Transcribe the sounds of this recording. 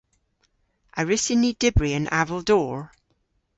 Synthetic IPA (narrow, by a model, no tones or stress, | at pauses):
ʔəɹɪsɪnid̥ɪbɹiə̃nʔa̰vəlˠdɔːɹ